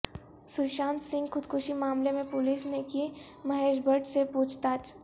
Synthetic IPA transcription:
sʊɾʃãːnt̪sɪ̃ŋɡxʊd̪kʰʊʃimaːmlemẽpʊlisnekimɐɦeːʃbʱəʈsepuːt͡ʃʰt̪aːt͡ʃʰ

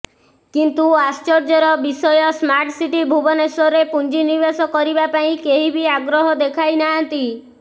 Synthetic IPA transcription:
kint̪uast͡ʃɔɾd͡ʒɔɾɔbisɔjɔsmaɾʈsiʈibʱubɔnesɔɾepund͡ʒinibasɔkɔɾibapaĩkeɦibiaɡɾɔɦɔd̪ekʰajnaɦãnt̪i

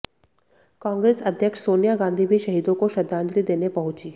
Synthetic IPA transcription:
kãːŋɡɾeːsɐd̪ʱjəkʃsoːnijaɡãːnd̪ʱibʱiʃɐɦiːd̪õkoʃɐd̪ʱːãːnd͡ʒ̪ɾid̪eːnepɐɦʊ̃t͡ʃiː

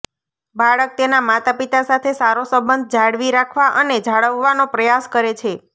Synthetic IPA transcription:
baɭək̚t̪enamat̪apit̪asat̪ʰesaɾosəmbənd̪̚ʱd͡ʒʱaɽʋiɾakʰʋaʔəned͡ʒʱaɭəʋːanopɾəjaskəɾet͡ʃʰe

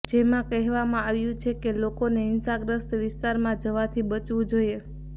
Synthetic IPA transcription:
d͡ʒemãkɛɦʋamãaʋjũt͡ʃʰekelokoneɪnsaɡɾəst̪ʋɪst̪aɾmãd͡ʒəʋat̪ʰibət͡ʃʋũd͡ʒoije

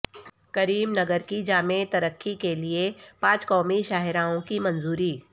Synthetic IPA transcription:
kɐɾiːmnɐɡəɾkid͡ʒaːmet̪ɐɾəkʰːikeliepãːt͡ʃkɔːmiʃaːɦɪɾaːõkimɐ̃nzuːɾiː

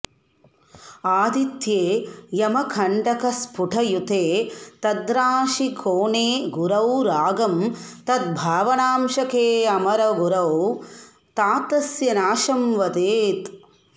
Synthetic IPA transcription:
aːd̪it̪jeːjɐmɐkʰɐɳɖɐkɐspuʈʰɐjut̪eːt̪ɐd̪ɾaːʃikʰoːɳeːɡuɾɐwɾaːɡɐmt̪ɐd̪̚bʱaːʋɐnaːmʃɐkeːɐmɐɾɐɡuɾɐw | t̪aːt̪ɐsjɐnaːʃɐmʋɐd̪eːt̪

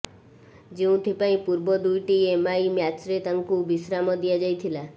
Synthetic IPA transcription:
d͡ʒeũt̪ʰipaĩpuɾbɔd̪ujʈiemaimjat͡ʃɾet̪aŋkubisɾamɔd̪ijad͡ʒajt̪ʰila

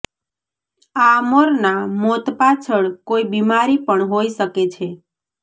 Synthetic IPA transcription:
aəmoɾnamot̪pat͡ʃʰəɭkoibimaɾipəɳɦoiʃəket͡ʃʰe

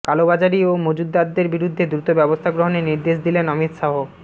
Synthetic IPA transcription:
kalobad͡ʑaɾiomod͡ʑud̪ːad̪ːeɾbiɾud̪ʱːed̪ɾut̪obɛbost̪ʰaɡɾoɦoneniɾd̪eʃd̪ilenɔmit̪ʃaɦo

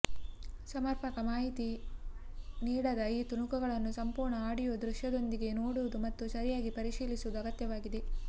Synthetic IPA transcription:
sɐmɐɾpʰɐkɐmaːɦit̪i | niːɽɐd̪ɐiːt̪uɳukuɡɐɭɐnːusɐmpuːɾɳɐaːɽijoʋd̪ɾuʂjɐd̪o̞nd̪iɡe̞noːɽuʋud̪umɐt̪ːusɐɾijaːɡipɐɾiʃiːlisuʋud̪uɐɡɐt̪jɐʋaːɡid̪e

